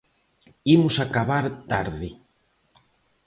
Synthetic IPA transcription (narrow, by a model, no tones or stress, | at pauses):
imʊsakaβaɾt̪aɾðɪ